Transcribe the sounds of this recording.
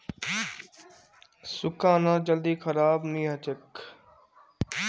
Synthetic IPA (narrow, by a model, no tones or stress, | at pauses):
sʊkãːnãːd͡ʒəld̪iːkʰəɾaːbnĩːɦət͡ʃek